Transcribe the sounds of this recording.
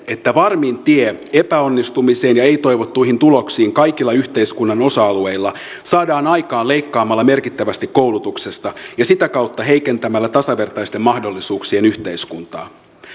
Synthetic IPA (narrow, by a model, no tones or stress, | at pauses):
e̞t̪ːæʋɑrmint̪iee̞pæo̞nːist̪umise̞ːnjɑe̞jt̪o̞jʋot̪ːuiɦint̪ulo̞ksiːŋkɑjkilːɑyçt̪eiskunːɑno̞sɑɑlue̞ilːɑ | sɑːdɑːnɑjkɑːle̞jkːɑːmɑlːɑme̞rkit̪ːæʋæst̪ikːo̞ulut̪ukse̞st̪ɑjɑsit̪ækɑwt̪ːɑɦe̞jke̞nt̪æmælːæt̪ɑsɑʋe̞rt̪ɑist̪e̞mːɑhdo̞lːisuːksie̞nyçt̪e̞iskunt̪ɑ̰ː